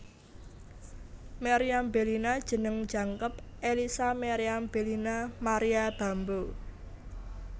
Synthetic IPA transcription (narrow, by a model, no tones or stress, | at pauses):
meɾiambe̤linad̥ʒ̥ə̤nəŋd̥d͡ʒ̥ä̤ŋkəp̚ʔelisameɾiamb̥elinamaɾijab̥ä̤mbo